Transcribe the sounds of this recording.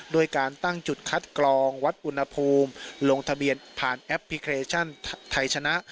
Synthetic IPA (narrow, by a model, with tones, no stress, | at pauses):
doː˧əjkaː˧nt̪a˥˩ŋt͡ɕu˨˩t̪̚kʰa˦˥t̪̚klɔː˧ŋwa˦˥t̪̚ʔu˧nha˧pʰuː˧mlo˧ŋt̪ʰa˧bi˧ənpʰaː˨˩nʔɛ˦˥p̚ʰːli˦˥kʰeː˧t͡ɕʰa˥˩nt̪ʰa˧jt͡ɕʰa˧na˦˥ʔ